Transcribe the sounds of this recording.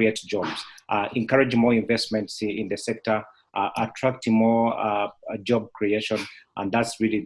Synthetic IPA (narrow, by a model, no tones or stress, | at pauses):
ietd͡ʒɔbz̥ʔʔɛ̃nkʰaɹɨd͡ʒmɔɹĩɱvɛstmɛ̃ntsɪ̃nðəsɛk̚tə˞ | ʔʔətʰɹ̥ak̚tɪ̃ŋmɔ | d͡ʒɔb̚kʰɹ̥ieʃɔ̃nʔə̰̃nðatsɹili